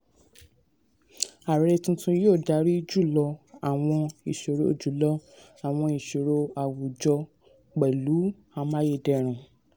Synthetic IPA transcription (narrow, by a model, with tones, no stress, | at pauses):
a˨ɾɾɛ˧tũ˧tũ˧joː˦˨da˨˦ɾi˦d͡ʒu˦˨lɔ˧a˨w̃ɔ̃˧i˨ʃo˨ɾo˧˨d͡ʒu˨˦lɔ˦ | a˨w̃ɔ̃˧i˨ʃo˨ɾo˧a˨wu˨d͡ʒɔ˧ | k͡pɛ˨lu˨˦ | a˧mã˦je˧˨dɛ˧˨ɾ̃ũ˨